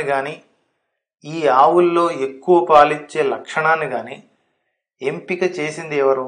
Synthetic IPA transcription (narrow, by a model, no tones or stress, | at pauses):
iɡaːniː | iːaːwulːo̞ːe̞kːuʋɐpaːliɲt͡ʃːe̞ːlɐkʂɐɳaːniɡaːniː | empikɐt͡ʃe̞ːsind̪ɛːʋɐɾu